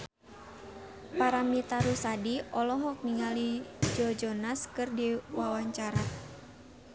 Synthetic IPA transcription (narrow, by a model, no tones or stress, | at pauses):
paɾamit̪aɾusadiɔlɔɦɔk̚niŋalid͡ʒɔd͡ʒɔnaskɨrdiwawaɲt͡ʃaɾa